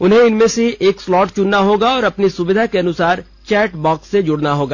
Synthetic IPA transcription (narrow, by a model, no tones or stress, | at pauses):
ʊnɦẽɪnmẽseʔeːkslɔːʈt͡ʃʊnːaɦoːɡaɔːɾɐpnisʊbɪd̪ʱakeɐnʊsaːɾ | t͡ʃɛːʈbɔːksːed͡ʒʊɽnaɦoːɡaː